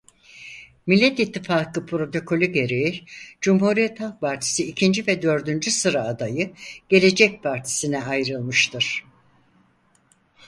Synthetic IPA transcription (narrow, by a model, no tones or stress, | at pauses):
milʲːɛt̪it̪ʰːifaːkɯpʰɾo̞t̪ʰo̞kʰo̞lʲyɟe̞ɾejid͡ʒumɦuɾijɛt̪halˠpʰaɾt̪ʰi̥siːcʰind͡ʒivɛd̪ø̞ɾd̪ynd͡ʒysɯɾaːd̪ajɯɟ̥e̞lʲe̞d͡ʒɛc̚pʰaɾt̪ʰi̥sinɛʔajɾɯlˠmɯʃt̪ʰɯɾ̝̥